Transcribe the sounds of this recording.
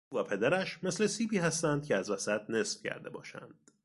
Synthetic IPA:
væpʰe̞d̪æɾæʃmesle̞siːbiːɦæst̪ænd̪̥̚cʰeæzvæsæt̪̚ʰne̞sfcʰæ̰ɾd̪e̞bɒ̰ːʃæ̰nd̪̥

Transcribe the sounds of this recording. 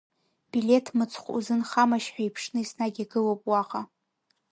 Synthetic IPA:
b̥ilʲe̞tʰmɨt͡sʰχʷṵzɨnχamaʃħʷᶣajpʰʂnɨisnaɡʲaɡɨlopʼwaʁʼa

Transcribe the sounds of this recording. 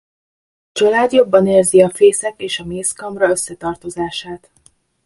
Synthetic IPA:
t͡ʃɒlaːd̪jo̞bːɒneːrziɒfeːsɛk̪eːʃɒmeːskɒmrɒøsːɛt̪ɒrt̪o̞zaːʃaːt̪

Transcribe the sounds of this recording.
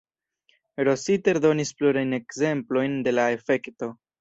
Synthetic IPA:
ɾo̞site̞ɾdo̞nispluɾajne̞kze̞mplo̞jnde̞lae̞fe̞kto̞

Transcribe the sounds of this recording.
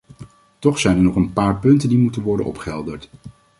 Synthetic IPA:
tɔχsɛjnɛɹnɔχənpaːɹpɵntəndimutənʋɔɹdənɔ̰pχəɦɛlˠdəɹt

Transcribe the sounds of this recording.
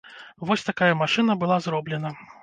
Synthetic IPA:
vɔsʲt̪akajɐmaʂɨn̪ɐbɨlˠazɾɔblʲɛnɐ

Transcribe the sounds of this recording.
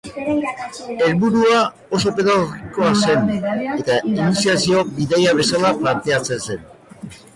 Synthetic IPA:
e̞lβuɾua | o̞s̬o̞peðaoriko̞ase̞ne̞t̪ainisiasio̞biðejaβ̞e̞salaplant̪e̞at͡se̞nse̞n

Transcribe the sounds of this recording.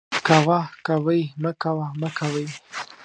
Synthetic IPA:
kawakawəjməkawaməkawəj

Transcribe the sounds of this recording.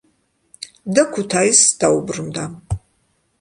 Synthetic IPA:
dɐkʷʰʊtʰaːjisd̥awbrɨmdam

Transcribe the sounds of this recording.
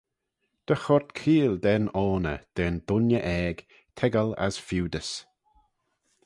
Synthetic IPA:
d̪̥əxɔɹt̪kʰiːld̪ɛnɔːnə̰d̪̥ɛnd̪̥ʊnjəʔɛːɡ̥ | t̪ʰɛɡəla̰zfuːd̪əs

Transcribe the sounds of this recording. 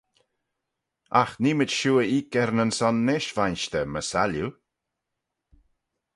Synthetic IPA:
a̰xniːmɪt͡ʃʃuːəiːkɛɾnənsɔnːɪʃvajnʃt̪əməsalju

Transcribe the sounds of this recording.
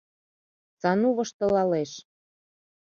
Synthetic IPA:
t͡sɑnuβɤ̆ʃt̪ɤ̆lɑleʃ

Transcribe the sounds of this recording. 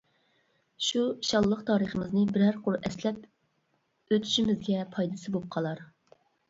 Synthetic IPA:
ʃuʃɑlˠːəqt̪ʰɑːɾəχəmɪznɨbɪɾæɾqoɾʔɛslɛp̚ | øt̪ʰy̥ʃimɪzɡʲɛpʰɑjd̪ɨsɨbop̚qʰɑlˠɑɾ

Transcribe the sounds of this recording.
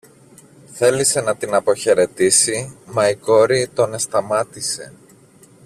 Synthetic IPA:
θe̞lise̞nɐt̪inɐpo̞çe̞ɾe̞t̪isimɐiko̞ɾit̪o̞ne̞st̪ɐmɐt̪ise̞̰

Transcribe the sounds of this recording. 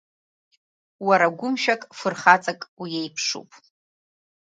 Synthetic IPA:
waɾaɡʷʊmʃᶣakʼfɨrχat͡sʼakʼwijejpʰʂṵpʼ

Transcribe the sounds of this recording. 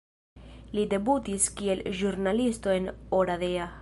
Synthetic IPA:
lide̞butiskie̞lʒuɾnalisto̞e̞noɾadea

